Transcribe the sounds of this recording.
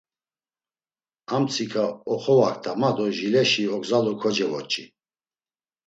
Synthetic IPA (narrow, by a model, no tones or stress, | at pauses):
amt͡sʰikʰaɔχɔwakʰt̪ʰamad̪ɔʒilɛʃiɔɡzalɔkʰɔd͡ʒɛvɔt͡ʃʼi